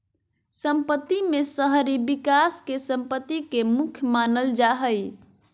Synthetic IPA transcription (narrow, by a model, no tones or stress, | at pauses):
səmpət̪ːimesəɦɾibikaskesəmpət̪ːikemukʰjəmanəld͡ʒaɦəj